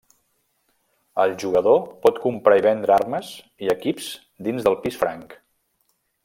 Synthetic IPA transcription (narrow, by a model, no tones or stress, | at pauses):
əlˠʒuɣəðopɔt̪kumpɾaiβɛnd̪ɾəarməz | iəkipz̥ | d̪inzðəlˠpisfɾaŋk